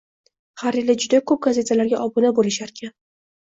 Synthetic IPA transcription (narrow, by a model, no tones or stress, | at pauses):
haɾjelɪd͡ʒʊd̪akʰɵp̚ɡaze̞t̪ʰalaɾɡʲaʔɒbʊnabolɪʃaɾkʲʰan